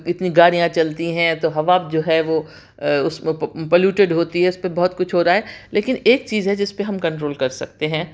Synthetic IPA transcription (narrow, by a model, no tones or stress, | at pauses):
ɪt̪niɡaːɽijãt͡ʃɐlt̪iɦɛ̃t̪oɦɐʋaːb̚d͡ʒoːɦɛʋo | ʊsmẽpɐluːʈeɖɦoːt̪iɦɛʊspebɔɦʊt̪kʊt͡ʃʰɦoːɾaːɦɛleːkɪneːk̚t͡ʃiːzɦɛd͡ʒɪspeɦɐmkɐ̃ɳʈɾoːlkɐɾsɐk̚t̪eɦɛ̃ː